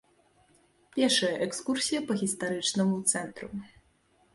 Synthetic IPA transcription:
pʲɛrʂɐjɐʔɛkskursʲijɐpɐɣʲist̪aɾɨt͡ʂnɐmut̪sɛnt̪ɾu

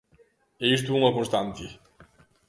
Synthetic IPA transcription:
eis̬t̪uumɐkõst̪ãnt̪i

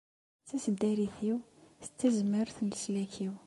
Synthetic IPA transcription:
t͡sːæsəd̪æɾiθiwθə̥t͡sːæzməɾθnəslækʰiw

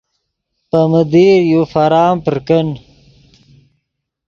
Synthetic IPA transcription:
pəməd̪iːɾjufaɾaːmpəɾkən

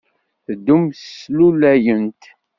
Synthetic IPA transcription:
θəd̪ːumslulæjənt̪

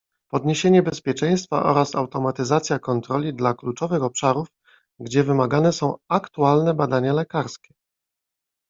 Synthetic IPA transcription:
pɔd̪ɲeɕeɲɛbɛspʲjɛt͡ʂɛj̃st̪fa̰ʔɔ̰ɾasa̰wt̪ɔmat̪ɘzat̪sʲjakɔnt̪ɾɔlʲid̪laklut͡ʂɔvɘxɔpʂaɾuf | ɡd͡ʑɛvɘmaɡanɛsɔ̃w̃akt̪ualnɛbad̪aɲalɛkaɾskʲɛ̥

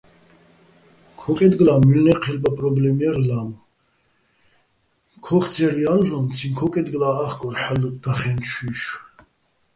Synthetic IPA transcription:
kʰɔkʼɛd̪ɡlamylnɛqʰɛlbapʼɾɔblɛmiɛɾlam | kʰɔχt͡s̪ʰɛɾiallɔmt͡sʰinkʰɔkʼɛd̪ɡlaːχkʼɔɾħalud̪̥aχɛnt͡ʃʰiʃ

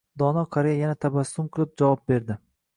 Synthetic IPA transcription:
d̪ɒnɒkʰaɾejajanat̪ʰabasːʊmqʰɨlˠɪp̚d͡ʒavɒp̚be̞ɾd̪ɪ

